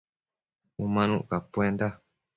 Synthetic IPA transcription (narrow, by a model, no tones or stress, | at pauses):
umãnũʔkapwend̪a